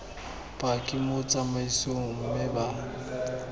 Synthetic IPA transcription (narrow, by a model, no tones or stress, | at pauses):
pʼakʼɪmʊt͡sʼamaisoŋŋ̩mɪba